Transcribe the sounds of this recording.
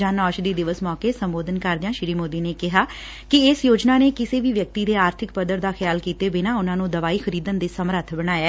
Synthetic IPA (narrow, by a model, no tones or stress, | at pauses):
aːnɔːʃd̪iːd̪ɪʋəsmɔːkeːsəmboːd̪ənkəɾd̪ɪjãːʃɪɾiːmoːd̪iːneːkɪɦaː | kɪɪsjoːd͡ʒnaːneːkɪseːʋiːʋjək̚t̪iːd̪eːaːɾt̪ʰɪkpəd̪əɾd̪aːxʰɪjaːlkiːt̪eːbɪnãːʊnãːnũːd̪əʋaːiːxʰəɾiːd̪ənd̪eːsəmɾət̪ʰbəɽ̃aːjeː